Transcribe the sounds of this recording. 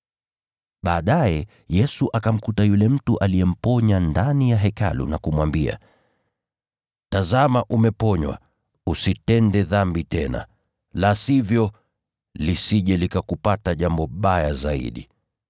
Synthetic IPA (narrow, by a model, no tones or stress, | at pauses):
ɓaːɗajɛ | jɛsuʔakam̩kutajulɛm̩tuʔalijɛm̩pɔɲandanijaɦɛka̰lṵnakumwambia̰ | tazamaʔumɛpɔɲwa̰ | usitɛndɛðambitɛna̰ | lasivjɔ | lisiʄɛlikakupataʄambɔɓajazaḭɗḭ